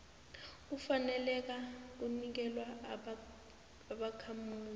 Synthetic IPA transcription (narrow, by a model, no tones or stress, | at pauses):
kufanɛlɛk̬ak̬unik̬ɛlwa | aɓakʰamuːli